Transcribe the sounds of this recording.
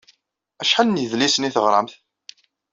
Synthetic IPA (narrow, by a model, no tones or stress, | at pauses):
æʃħalnjðlisəniθəʁɾˤəmθ